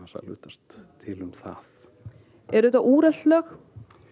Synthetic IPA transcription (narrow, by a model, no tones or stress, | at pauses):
asa̰lʏ̰ːht̪ast̪ʰː | ɪlʏmθa̰θ | ɛɾðt̪aʔuːɾɛlt̪lœːx